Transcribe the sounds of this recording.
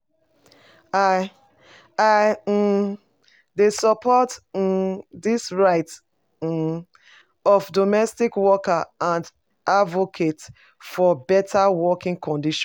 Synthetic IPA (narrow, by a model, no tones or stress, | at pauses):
a | a | desɔpʰɔt̩ | disɹaɪt̩ | ɔfdomɛstikwɔkaãnd | avokʰet | fɔbɛtʰawɔkĩŋkʰɔ̃ndiʃ